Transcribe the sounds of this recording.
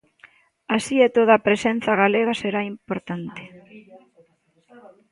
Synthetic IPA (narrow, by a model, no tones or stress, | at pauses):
asiet̪oðaːpɾesen̟θɐɣaleɣɐseɾaimpoɾt̪ant̪ɪ̥